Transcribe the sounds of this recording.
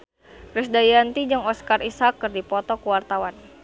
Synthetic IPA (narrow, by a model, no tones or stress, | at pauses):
kɾɪsdajant̪id͡ʒaŋɔskarisakːɨrdipɔt̪ɔkuwart̪awan